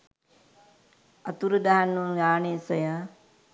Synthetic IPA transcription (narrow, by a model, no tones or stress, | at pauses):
at̪uɾud̪aɦanːunɡaːnesəjə